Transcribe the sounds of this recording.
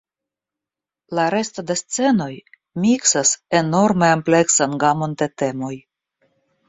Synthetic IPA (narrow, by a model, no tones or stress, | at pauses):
laɾe̞st̪od̪est͡se̞no̞j | miksase̞no̞ɾmeample̞ksanɡamond̪et̪e̞mo̞j